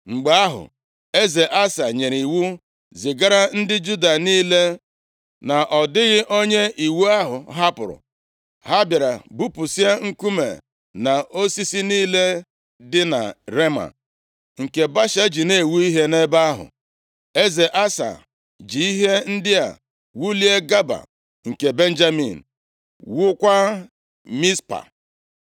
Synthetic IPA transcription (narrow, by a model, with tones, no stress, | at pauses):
ŋ͡m̩˨ɡ͡ba˨˦a˦ɦʊ̰˨ | e˦ze˨ʔa˦sa˨ɲe˨ɾi˨wu˦ | zɪ˨ɡa˦ɾa˦n̩˦dɪ˦d͡ʒu˦da˨niː˦le˦ | na˨ʔɔ˨dɪ˦ɣɪ˦ʔo˦ɲe˦ʔi˨wu˦a˦ɦʊ̰˨ɦa˦pʊ˨ɾʊ̰˨ | ha˦bja˨ɾa̰˨bu˦pʊ˨si˦a˦ŋ̩˦ku˦mḛ˨ | na˨o˦si˦si˦niː˦le˦ | dɪ˦na̰˨ɾe˦ma̰˨ | ŋ̩˨ke˨ba˦ʃe˦d͡ʒi˨ne˨wu˦i˦ɦe˦ne˦ba˦ɦʊ̰˨ | e˦ze˨ʔa˦sa̰˨ | d͡ʒi˨i˦ɦe˦n̩˦dɪ˦a̰˨ | wu˦li˦e˦ɡa˦ba̰˨ | ŋ̩˨ke˨be˦n˦d͡ʒa˦mḭ˨n̩˨ | wʊ˦kʷa˦ | mi˦spa̰˨